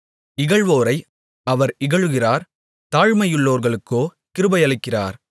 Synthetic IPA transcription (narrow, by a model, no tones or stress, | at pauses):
ɪɣɐɭʋoːɾɐɪ | ɐʋɐɾɪɣɐɻɯɣɪraːɾ | t̪aːɻmɐjɯɭːoːɾɣɐɭɯkːoː | kɪɾɯbɐɪɐɭɪkːɪra̰ːɾ